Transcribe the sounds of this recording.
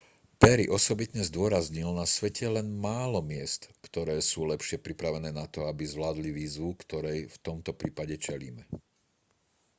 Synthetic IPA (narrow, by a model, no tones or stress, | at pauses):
pɛɾiʔɔsɔbit̪ɲɛzd̪ʊɔɾazɲilnasʋɛcɛlɛnmaːlɔmɪɛst̪kt̪ɔɾɛːsuːlɛpʃɪɛpɾipɾaʋɛnɛːnat̪ɔabizʋlaːd̪liʋiːzʋukt̪ɔɾɛjft̪ɔmt̪ɔpɾiːpaɟɛt͡ʃɛlḭːmɛ